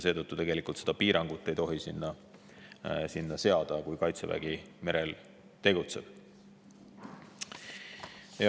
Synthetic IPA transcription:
se̞ːt̪ɤt̪ːut̪e̞ɡe̞likːˑult̪se̞d̪̥ɑpiːɾɑŋɡ̥ut̪ːˑe̞jt̪o̞ɦisinːɑ | sinːɑse̞ɑd̪̥ɑkujkɑjt̪sevæ̰ɡ̥ime̞ɾel | t̪e̞ɡ̥ut̪se̞̰b̥ | j

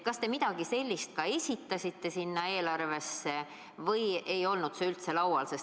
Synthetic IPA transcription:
kɑst̪e̞mid̪̥ɑɡ̥ise̞lʲːist̪̚kɑe̞sʲit̪ːɑsʲit̪ːe̞sinːɑe̞ːlɑrve̞sːe̞ | vɤje̞jo̞lnud̪se̞ylt̪se̞lɑwɑlses

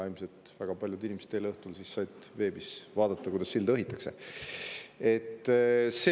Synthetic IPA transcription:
ɑjlmset̪væɡ̥ɑpɑljud̪inimese̥t̪ːejleɤht̪ulsisːɑjt̪ve̞ːbisvɑːd̪ɑt̪ˑːɑkujd̪ɑsːsild̪ɤɦit̪ːˑɑkse | e̞t̪ːse

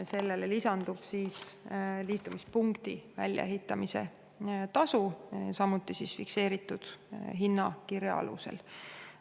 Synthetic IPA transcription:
se̞lːelelisɑnd̪̥ub̥siːsliːt̪ːˑumispuŋkt̪ivæ̰lʲjɑ̰e̞ɦit̪ːˑɑmise̞̰ | t̪ɑsusɑmːut̪ːˑisisfikse̞ːɾit̪ːˑud̪̥ɦinːɑkiɾjɑ̰ɑ̰lṵsḛl

